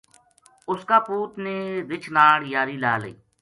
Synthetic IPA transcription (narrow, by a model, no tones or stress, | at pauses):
ʊskaːpuːt̪neːʋɪt͡ʃʰnaːɽjaːɾiːlaːlḛː